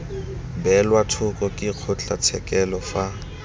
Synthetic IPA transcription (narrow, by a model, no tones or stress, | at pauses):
bɛlwatʰʊkʼɔkʼɪq͡χʰʊt͡ɬʼat͡sʰɛkʼɛlɔfa